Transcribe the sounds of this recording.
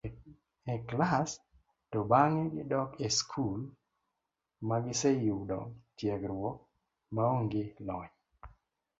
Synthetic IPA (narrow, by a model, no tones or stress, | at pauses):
ɛklas | tobaŋɛɡɪdɔkeskʰul | maɡɪsɛjuwdɔ̰tjɛɡɾwɔ | maoŋɡɪlɔɲ